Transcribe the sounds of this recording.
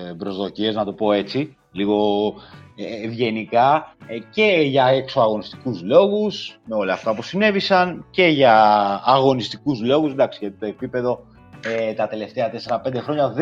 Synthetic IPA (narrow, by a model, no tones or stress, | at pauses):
bɾo̞zðo̞cie̞znɐt̪opo̞e̞t͡si | liɣo̞ | evʝe̞nikɐce̞ʝɐeksoɐɣo̞nist̪i̥kuzlo̞ɣusme̞o̞lɐːft̪ɐpusine̞visɐnce̞ʝɐːɣo̞nist̪i̥kuzlo̞ɣused̪ɐksiʝɐt̪it̪o̞e̞pipe̞ðo̞ | et̪ɐt̪e̞le̞ft̪eɐt̪e̞se̞ɾɐpe̞nd̪e̞xɾo̞ɲɐð